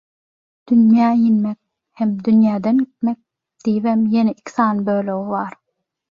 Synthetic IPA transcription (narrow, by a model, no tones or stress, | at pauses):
d̪̥ynjæːjinmek̚ | hemd̪ynjæːd̪enɡit̪̚mek̚ | d̪̥ijβemjeneʔikʰʲi̥θɑːnɪbøːløɣiβɑːɾ